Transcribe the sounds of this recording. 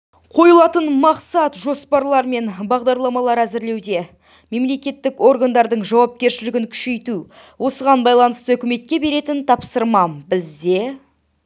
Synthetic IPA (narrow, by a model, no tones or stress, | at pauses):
qʰo̞jəlˠɑt̪ənmɑqsɑt̪ʒo̞spɑɾlˠɑɾme̞nbɑʁd̪ɑɾlˠɑmɑlˠɑɾæzɪɾle̞wd̪e̞ | me̞mle̞kʲe̞t̪ːɪko̞ɾɡand̪ɑɾd̪əɴʒɑwɑp̚kʲe̞ɾʃɪlɪɡʲɪŋkʲʰʏ̥ʃe̞jt̪u | wʔo̞səʁɑnbɑjlˠɑnəst̪əɵkʲɪme̞t̪̚kʲe̞be̞ɾe̞t̪ɪnt̪ʰɑpsəɾmɑbɪzd̪e̞